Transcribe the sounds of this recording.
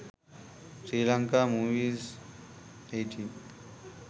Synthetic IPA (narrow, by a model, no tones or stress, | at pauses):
sɾiːlaŋkamuʋiːz | ejʈʰi